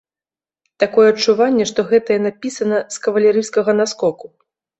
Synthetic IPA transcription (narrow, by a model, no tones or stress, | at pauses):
t̪akɔjɛɐt͡ʂːuvanʲːɛʂt̪ɔɣɛt̪ɐjɛnapʲisɐnɐskɐvɐlʲɛɾɨskɐɣɐnaskɔku